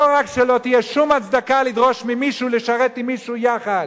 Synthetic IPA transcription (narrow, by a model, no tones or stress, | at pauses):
oʁakʃelo̞t̪ijeʃumat͡sd̪akalid̪ʁo̞ʃmimiʃuleʃaʁet̪imːiʃujaχad̥̪